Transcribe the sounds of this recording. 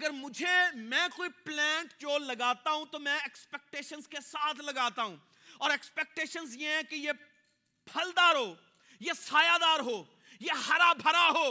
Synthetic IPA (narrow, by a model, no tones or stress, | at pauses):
ɐɡəɾmʊd͡ʒʱemɛ̃ːkoːiplɛ̃ːɳʈt͡ʃoːllɐɡaːt̪aɦũt̪omɛ̃ekspek̚ʈeːʃənzkesaːt̪ʰlɐɡaːt̪aɦũː | ɔːɾeːkspeːk̚ʈeːʃənzjeɦɛ̃keje | pʰɐld̪aːɾɦoː | jesaːjaːd̪aːɾɦoː | jehɐɾabʱɐɾaɦoː